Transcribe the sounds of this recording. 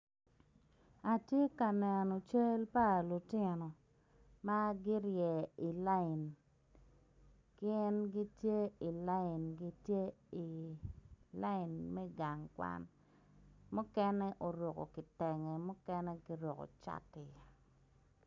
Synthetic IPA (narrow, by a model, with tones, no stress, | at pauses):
a˨tje˦ka˨nɛ˨nɔ˨t͡ʃe˦lpa˦˨lu˨tɪ˦nɔ˨ | ma˦ɡɪ˦ɾjɛ˨i˨la˦ɪ˨n | kɪ˦ɛ˦nɡi˦tje˦i˨la˦ɪ˨nɡi˦tje˦i˨ | la˦ɪ˨nmɛ˦ɡa˨ŋkwa̰˦n | mʊ˦kɛ˦nɛ˦ʔo˨ɾo˨kɔ̰˨kɪ˨tɛ˨ŋɛ˨mʊ˦kɛ˦nɛ˦ɡɪ˦ɾwo˨kɔ̰˨t͡ʃa̰˦tɪ˨ja˨